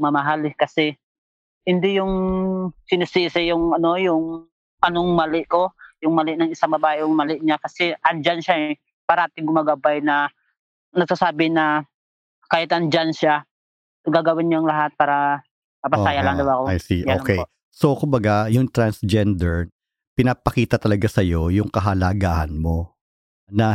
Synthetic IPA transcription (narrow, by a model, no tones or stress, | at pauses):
mɐmɐɦalɛkɐsɛ | hɪnd̪ɪjʊŋ | sɪnɪsisɪjʊŋʔɐno̞jʊŋ | ʔɐnoŋmalɪʔko̞jʊŋmɐlɪʔnɐŋɪsaŋbɐbaːʔɪʔʊŋmalɪʔɲakɐsɛʔɐnd͡ʒanʃaɛ | paɾɐaːt̪ɪŋɡʊmaɡabajnɐ | nɐɡ̚sasaːbɪnɐ | kaːjɪt̪ʔɐnd͡ʒanʃa | ɡaːɡɐwɪnɲaŋlɐɦat̪̚paːɾɐ | mɐpɐsaːjalaŋd̪ɐwakoajsiʔaːlkɛj | so̞kʊmbɐɡajʊŋt̪ɾansd͡ʒɛnd̪ɛɹ | pɪnapɐkiːt̪ɐt̪ɐlɐɡasɐjo̞jʊŋkɐɦɐlaɡaːhɐ̰nmo̞ | nɐ